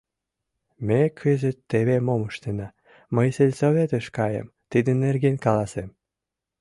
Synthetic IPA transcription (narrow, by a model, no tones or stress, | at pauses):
mekʰøzet̪ːeβemoməʃt̪enɑ | məjselʲsoβet̪əʃkɑjə̰m | t̪id̪ə̆nerɡenkɑlɑsem